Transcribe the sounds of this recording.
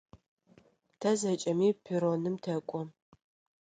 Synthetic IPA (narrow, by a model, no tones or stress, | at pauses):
tʰɐzɐt͡ʃʼɐmiːpʰiɾonɨmtʰɐkʷʼɔ